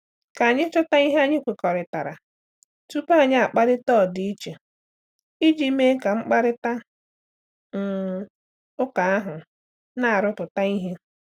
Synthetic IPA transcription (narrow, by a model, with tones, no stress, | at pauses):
ka˨a˨ɲɪ˦t͡ʃʊ˦ta˦i˦ɦe˦a˦ɲɪ˦kʷe˨kɔ˨ɾɪ˨ta˨ɾa̰˨ | tu˦pa˦˨ɲɪ˦a˨k͡pa˦ɾɪ˦tɔː˦˨di˦i˦t͡ʃe˨ | i˦d͡ʒi˦me˦ka˨ŋ͡m̩˦k͡pa˦ɾɪ˦ta˦ | ŋ̩˨ | ʊ˦ka˨a˦ɦʊ˨ | na˦a˨ɾʊ˦pʊ˨ta˦i˦ɦe˦